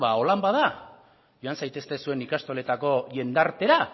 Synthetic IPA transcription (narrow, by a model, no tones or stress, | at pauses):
βao̞lambaða | jo̞ansajt̪e̞st̪e̞sue̞nikast̪o̞le̞t̪ako̞ʝe̞nd̪aɾt̪e̞ɾa